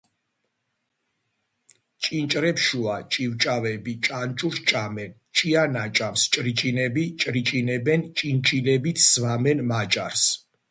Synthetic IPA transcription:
t͡ʃʼint͡ʃʼɾɛpʃuat͡ʃʼivt͡ʃʼavɛbit͡ʃʼant͡ʃʼuɾʃt͡ʃʼamɛn | t͡ʃʼianat͡ʃʼamst͡ʃʼɾit͡ʃʼinɛbit͡ʃʼɾit͡ʃʼinɛbɛnt͡ʃʼint͡ʃʼilɛbit̪ʰz̥vamɛnmat͡ʃʼa̰ɾs

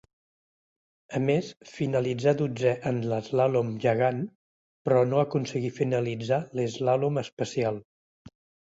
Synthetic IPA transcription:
əmesfinəlid͡zad̪ud͡zɛʔənləzlalomʒəɣan | pɾɔnoəkunsəɣifinəlid͡zalezlaloməspəsialˠ

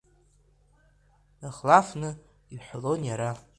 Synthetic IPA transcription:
naχlafnɨ | iħʷlonjaɾa

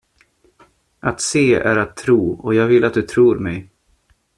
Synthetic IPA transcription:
ʔat̪seːæ̰ɾat̪ʰːɾuːɔjɑːɡvɪlːat̪̚d̪ɵt̪ʰɾuːɾmɛj

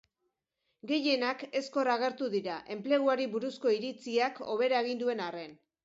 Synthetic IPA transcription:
ɡe̞je̞nake̞sko̞raɣ̞e̞ɾt̪uðiɾaʔe̞mple̞ɣ̞uaɾiβuɾusko̞iɾit͡siako̞̰β̞e̞ɾae̞ɣ̞ind̪ue̞nare̞n

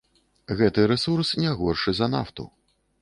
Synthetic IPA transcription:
ɣɛt̪ɨɾɛsursnʲɛɣɔrʂɨzɐna̰ft̪ṵ

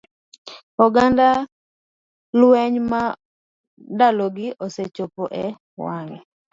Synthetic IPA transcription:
ɔɡanda | lwɛɲma | daloɡɪʔoset͡ʃopoʔɛ | waŋɛ

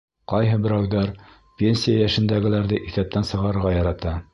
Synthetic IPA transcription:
qɑjɦɤbɘ̆ɾæwðæɾ | pʲenʲsʲijajæʃɘ̆nd̪æɡɘ̆læɾðɘʔiθæp̚t̪ænsɤ̆ʁɑɾɤ̆ɾʁɑjɑɾɑt̪ɑ

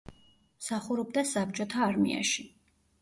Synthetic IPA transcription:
msaχuɾɔbd̪asap̚t͡ʃʼɔt̪ʰaːɾmḭa̰ʃi

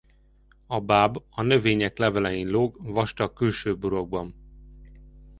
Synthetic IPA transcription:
ɒbaːbɒnø̞veːɲɛklɛvɛlɛjinloːɡvɒʃt̪ɒkylʃøːbuɾo̞ɡ̚bɒn

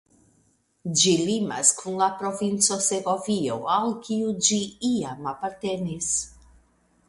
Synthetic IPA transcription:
d͡ʒilima̰skʰunlapɾo̞vint͡so̞seɡo̞vio̞alkʰiud͡ʒiiamapaɾt̪e̞nis

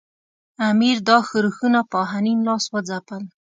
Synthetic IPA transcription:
amiɾd̪ɑxəɾuxunapɑɦaninlɑswad͡zapəl

